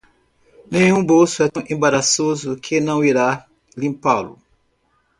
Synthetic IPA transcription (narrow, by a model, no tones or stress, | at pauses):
nẽɲũbowsʊɛ̃ʔẽbaɾasozʊkʰɪnɐ̃w̃iɾa | lĩmpalʊ̰